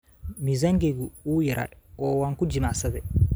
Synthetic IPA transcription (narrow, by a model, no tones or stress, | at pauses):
mizaŋɡeɡuuːjɛɾʔa̰ɔːwaŋkud͡ʒimasɐdɛ